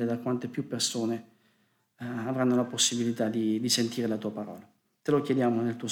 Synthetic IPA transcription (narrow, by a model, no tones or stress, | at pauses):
ed̪akwant̪epjupːersoːne | avɾanːolaposːibilit̪ad̪id̪isent̪iːɾelat̪uːapaɾɔ̰ːla | t̪elokjed̪jaːmonelt̪uːo